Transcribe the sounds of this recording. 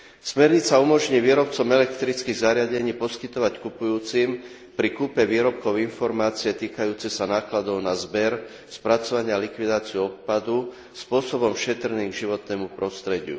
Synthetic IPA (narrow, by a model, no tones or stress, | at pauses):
smɛɾɲit͡saumɔʒɲiːʋiːɾɔpt͡sɔmɛlɛkt̪ɾit͡skiːɣzaɾɪaɟɛɲiːpɔskit̪ɔʋackupujuːt͡sim | pɾikupɛʋiːɾɔp̚kɔʊinfɔɾmaːt͡sijɛt̪iːkajuːt͡sɛsanaːklad̪ɔʊnazbɛɾ | spɾat͡sɔʋaɲɪalikʋid̪aːt͡siuɔp̪̚pad̪u | spʊɔsɔbɔmʃɛt̪ɾniːɡʒiʋɔt̪nɛːmupɾɔst̪ɾɛɟɪṵ